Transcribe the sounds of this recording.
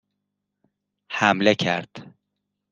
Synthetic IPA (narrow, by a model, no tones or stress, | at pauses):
hæmlecʰæɾd̪̥